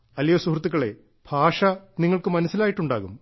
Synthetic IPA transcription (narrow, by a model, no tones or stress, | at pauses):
ɐljɐsuhrt̪ːiɣːɐɭe̞̰ | bʱaːʂɐniŋːɐɭkɨmɐnɐsːilaːjiʈːuɳɖaːɣum